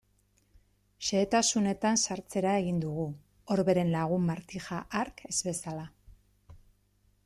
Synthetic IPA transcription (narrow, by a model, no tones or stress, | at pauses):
ʃe̞ːt̪asune̞t̪ansaɾt͡se̞ɾae̞ɣ̞ind̪uɣ̞u | oɾβe̞ɾe̞nlaɣ̞umːaɾt̪ixaʔaɾke̞z̥βe̞sala